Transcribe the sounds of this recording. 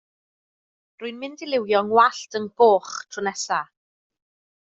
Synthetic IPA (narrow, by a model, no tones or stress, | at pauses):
rʊɨnmɪndɪlˠɪwjɔŋwaɬtʰənb̥oːχtʰrʊnɛsa